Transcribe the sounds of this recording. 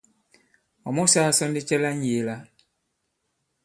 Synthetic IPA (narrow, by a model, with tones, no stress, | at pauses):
ɔ˨mɔ˦sa˦˨sɔ˦n˦di˦t͡ʃɛ˦la˦n˦je˨la˦